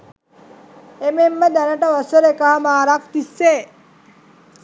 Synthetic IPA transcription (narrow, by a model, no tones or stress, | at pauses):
ememːəd̪anəʈəʋəsəɾekaɦamaːɾakt̪isːeː